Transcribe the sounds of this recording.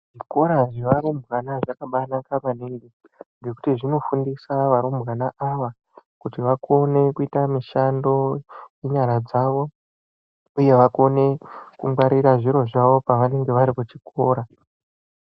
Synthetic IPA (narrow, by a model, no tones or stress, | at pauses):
ʐ̥iko̞ɾaʐeʋaɾumbɣanaʐakaɓanakapaneŋɡe | ŋɡe̞ku̥tiʐino̞fundisaʋaɾumbɣanaʔaʋa | kutiʋako̞ne̞kuitamiʃando̞jeɲaɾad͡zaʋo̞ | uje̞ʋako̞ne̞kuŋɡwaɾiɾaʐiɾo̞ʐaʋo̞paʋane̞ŋɡe̞ʋaɾikut͡ʃikʰo̞ːɾa